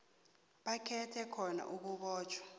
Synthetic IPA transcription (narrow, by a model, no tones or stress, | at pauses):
ɓakʰɛtʰɛkʰɔna̰ʔuk̬uɓɔːt͡ʃʰwḁ